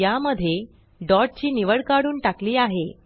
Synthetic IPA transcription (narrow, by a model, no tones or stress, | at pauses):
jaməd̪ʱːje | ɖɔɾʈ̚t͡ɕiːniʋəɽkaɽuːnʈakliːaɦe